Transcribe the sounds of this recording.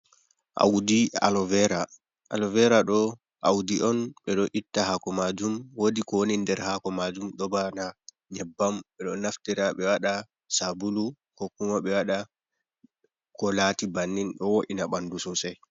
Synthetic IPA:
ʔa̰wdia̰lɔvɛɾa | a̰lɔvɛɾaɗɔ | ʔawdiʔɔnɓɛɗɔʔitːahakɔmad͡ʒumwodikɔwonindɛɾhakɔmad͡ʒumɗɔbana | ɲɛbːamɓɛɗɔnaftiɾaɓɛwaɗa | sabulu | kokːumaɓɛwaɗa | kɔlatibanːinɗɔwoʔinaɓandususaj

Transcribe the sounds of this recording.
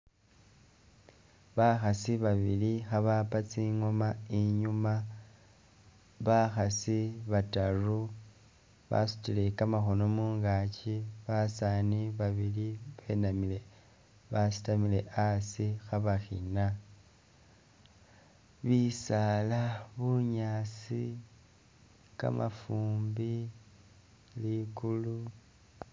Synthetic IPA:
βaxasiβaβilixaβapat͡siŋo̞maiɲuma | βaxasiβataru | βa̰su̥tile̞kamaxo̞no̞muːŋɡaciβasaːniβaβiliβenamile | βasi̥tamile̞ʔasixaβaxḭna | βisalaβuɲasi | ka̰mʔa̰fuːmbi | likulu

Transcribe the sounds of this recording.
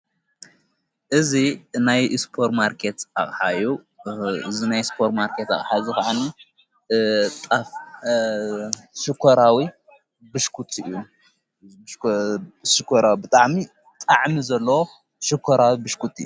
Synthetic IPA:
ʔɨzinajspʰoɾmaɾkʰet̪aχʼħaju | ɨzinajspʰoɾmaɾkʰet̪a̰χʼħazɨkaʕani | t̪ʼaf | ʃɨkʰːoɾawi | bɨʃkʰut̪ʰɨ̰ju | ʃɨkʰoɾawibɨt̪ʼaʕmi | t̪ʼaʕmizɐlːɐwo | ʃɨkʰːoɾawibɨʃkʰut̪ɨ̰jːu

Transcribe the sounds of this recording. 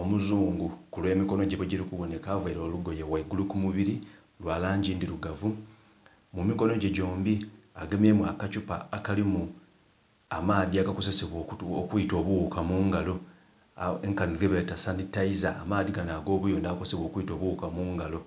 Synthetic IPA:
o̞muzuːŋɡukulwe̞ːmiko̞no̞ɟeβweɟiɾikuβo̞ne̞kavaiɾo̞ːluɡo̞jewaiɡulukumuβiɾi | lwaːlaːɲɟindiɾuɡavu | mumiko̞no̞ɟeɟo̞ːmbiaɡeme̞mwakat͡ʃupa̰ːkalimu | amaːðiaɡako̞zeseβwookuito̞ːβuwukamuːŋɡalo̞ | eŋkanileβetasanitaiza̰ːmaːðiɡanaːɡo̞ːβujo̞ndakosseβwoːkuito̞ːβuwukamuːŋɡalo̞

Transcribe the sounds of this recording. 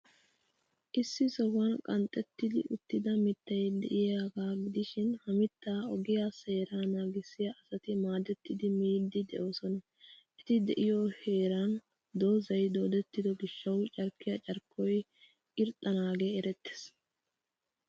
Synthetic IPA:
ʔɪsːɪsɔwɐnkʼɐnt̪ʼːɛt̪ːɪd̪ɪ̰ʔʊt̪ːɪd̪ɐmɪt̪ːɐjd̪ɛʔɪjaɡaːɡɪd̪ɪʃɪnhɐmɪt̪ːaːɔɡɪjase̞ːɾaːnaːɡɪsːɪjɐʔɐsɐt̪ɪmaːd̪ɛt̪ːɪd̪ɪmiːd̪ːɪd̪ɛʔo̞ːsɔnɐ | ʔɛt̪ɪd̪ɛʔɪjoːhe̞ːɾɐn | d̪o̞ːzɐjd̪o̞ːd̪ɛt̪ːɪd̪ɔɡɪʃːɐwt͡ʃʼɐɾkːɪjɐt͡ʃʼɐɾkʰːɔj | ʔɪɾt̪ʼːɐnaːɡeːɾɛt̪ːe̥s

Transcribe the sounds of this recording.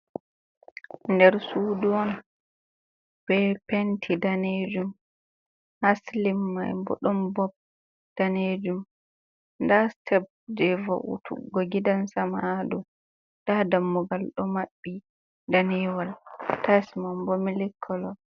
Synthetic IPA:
ndɛɾsuduɔna | b̥ɛpentʰidaned͡ʒum | haslimːa̰jbɔ̰ɗɔmbɔb̚ | d̥aned͡ʒum | ndastʰɛb̚d͡ʒɛvɔ̰ʔṵtʰṵɡɔɡidansamadu | d̥adamːɔɡalɗɔmaɓːi | danɛwaltasimambɔmilikʰːɔlɔ

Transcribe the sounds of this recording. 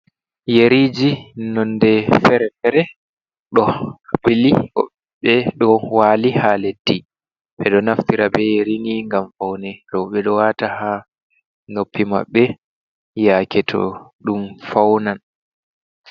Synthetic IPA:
jeɾiːd͡ʒinɔndɛfɛɾɛfɛɾɛ | ɗɔɓiliɔ̰ɓ | ɓɛɗɔwalihaledːi | ɓɛɗɔnaftiɾabɛjeɾiniŋɡamfawnɛɾɔwɓɛɗɔwataha | nopʰːima̰ɓːɛ | jakʰɛtʰɔ̰ɗumfawnan

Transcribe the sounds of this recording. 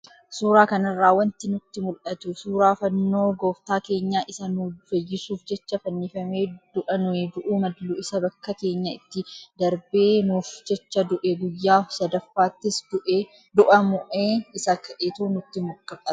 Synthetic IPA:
suːɾaːkɐnɐrːaːwɐnt̪ɪnʊt̪ːɪmʊlʔɐt̪ʊsuːɾaːfɐnːo̞ːɡo̞ːft̪aːke̞ːɲːaːʔɪsɐnʊfɐjːɪsuːfd͡ʒɛt͡ʃːɐfɐnːifɐmeːd̪̥ʊʔɐnʊed̪ʊʔuːmɐd̪luɪsɐbɐkːɐkeːɲːɐɪt̪ːɪd̪ɐɾbeːnufd͡ʒɛt͡ʃːɐd̪ʊʔeɡʊjːaːsɐd̪ɐfːaːt̪ːɪsdʊʔ | d̪ʊʔɐmʊʔeːɪsɐkʰɐʔeːt̪unʊt̪ːɪmʊkʼːɐkʼːɐt̪ʊ̥

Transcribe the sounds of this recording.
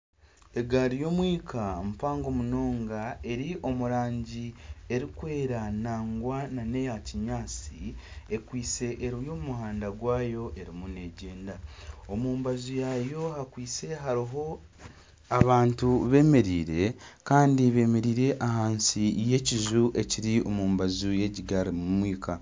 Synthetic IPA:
eɡaɾijo̞mwiːkʰamupaːŋɡo̞muno̞ːŋɡae̞ɾiʔo̞muɾaːɲɟie̞ɾikwe̞ːɾanaːŋɡwanane̞jaciɲaːt͡sie̞kwiːt͡se̞ʔːɾijo̞mumuɦaːndaɡwaːjo̞ʔe̞ɾimune̞ɟeːndao̞muːmbazujajo̞hakwiːt͡se̞ɦaɾiɦo̞ | aβaːntuβe̞ːme̞ɾiːɾe̞kaːndiβe̞ːme̞ɾiːɾe̞ʔahaːnsije̞cizuʔe̞ciɾio̞muːmbazuje̞ɟiɡaɾimumwiːkʰa

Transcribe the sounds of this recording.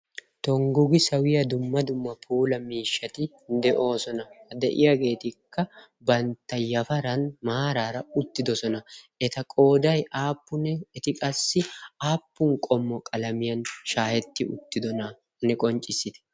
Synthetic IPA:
t̪ɔŋɡʊɡɪsɐwɪjɐd̪ʊmːɐd̪ʊmːɐpʰuːlɐmiːʃːɐt̪ɪ | nd̪ɛʔo̞ːsɔnɐhɐd̪ɛʔɪ̰jaɡe̞ːt̪ɪkːɐ | bɐnt̪ːɐjɐfɐɾɐnmaːɾaːɾɐʊt̪ːɪd̪ɔsɔnɐ | ɛt̪ɐkʼo̞ːd̪ɐjʔaːpːʊnɛɛt̪ɪkʼɐsːɪaːpːʊŋkʼɔmːɔkʼɐlɐmɪjɐnʃaːhɛt̪ːɪʊ̰t̪ːɪd̪ɔnɐ | nɛkʼɔnt͡ʃʼːɪsːɪt̪ɛ̥

